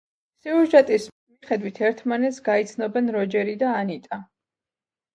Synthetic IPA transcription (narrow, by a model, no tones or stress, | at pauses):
sɛuʒat̪ʼis | miχɛd̪wit̪ʰɛɾt̪ʰmanɛt̪sɡait̪sʰnɔbɛnɾɔd͡ʒɛɾid̪aːnit̪ʼa